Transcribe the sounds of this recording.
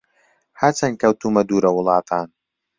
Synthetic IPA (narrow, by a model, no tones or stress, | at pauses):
hɐt͡sʰɐnkɐwt̪uːmɐd̪uːɾɐwʊlˠɑːt̪ʰaːn